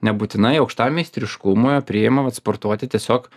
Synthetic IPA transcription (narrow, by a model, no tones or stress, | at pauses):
nʲɛbuːt̪ʲɪnɐɪɐʊkʃt̪ɑːmʲɛɪsʲt̪ʲɾʲɪʃkʊmoːjoːpʲɾʲɪɪmɐʋɐt̪spoːɾt̪uɔt̪ʲɪt̪ʲiɛsʲoːk